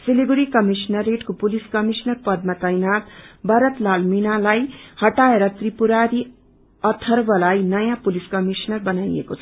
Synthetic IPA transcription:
sileɡuɾikʌmisnʌreʈkopuliskʌmisnʌrpʌd̪̚mat̪ʌjnat̪bʌɾʌt̪lalminalajhʌʈaeɾʌt̪ripuɾaɾi | ʌt̪ʰːʌrbʌlajnʌjãpuliskʌmisnʌrbʌnajḛkot͡sʰʌ

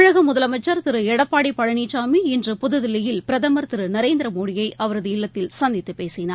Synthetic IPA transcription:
ɻɐɣɐmʊðɐlɐmɐt͡ʃːɐɾt̪ɪɾɯɛɽɐpːaːɽipːɐɻɐɳiːt͡ʃːaːmiɪndrɯpʊðɯðɪlɪjɪlpɪɾɐðɐmɐɾt̪ɪɾɯnɐɾeːnd̪ɪɾɐmoːɽɪjɐɪʔɐʋɐɾɐðɯɪɭːɐt̪ːɪlsɐnd̪ɪt̪ːɯpeːsɪnaː

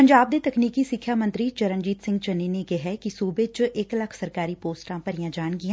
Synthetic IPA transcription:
pəɲd͡ʒaːb̚d̪eːt̪əkniːkiːsɪkʰjaːmə̃nt̪ɾiːt͡ʃəɾənd͡ʒiːt̪sɪ̃ŋɡt͡ʃəneːnekeɦɛːkisuːbet͡ʃʔɪkləkʰsəɾkaːɾiːpoːsʈãːpəɾijãːd͡ʒaːɳɡiã

